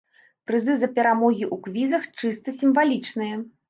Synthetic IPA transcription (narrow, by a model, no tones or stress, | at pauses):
pɾɨzɨzɐpʲɛɾamɔɣʲiʔukvʲizɐxt͡ʂɨst̪ɐsʲimvalʲit͡ʂnɨjɐ